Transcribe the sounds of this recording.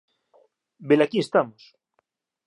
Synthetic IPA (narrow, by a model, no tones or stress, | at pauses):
belakiest̪amos